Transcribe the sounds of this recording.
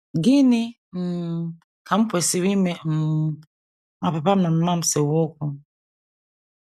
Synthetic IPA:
ɡi˦ni˦ | m̩˨ | ka˨m̩˦pwe˨si˨wi˦mɛ˦m̩˨ | ma˨pa˨pa˦m̩˨na˨m̩˨ma˦m̩˨sɛ˨wo˦ku˦

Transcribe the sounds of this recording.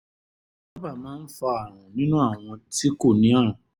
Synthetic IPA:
ba˦ba˦˨mãː˦n̩˦fa˧a˨ɾ̃ã˨nĩ˦nũ˦a˦˨w̃ɔ̃˧ti˦ko˦˨nĩ˨˦ã˦ɾ̃ã˨

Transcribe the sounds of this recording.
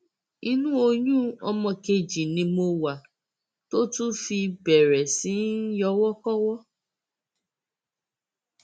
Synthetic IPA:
i˧nũ˦o˧jũ˦ɔ˧mɔ̃˧˨ke˧d͡ʒi˨nĩ˧mo˧wa˨ | to˦tũ˦fi˧bɛ˨ɾɛ˨sĩ˨˦n˦jɔ˧wɔ˦kɔ˦wɔ˦

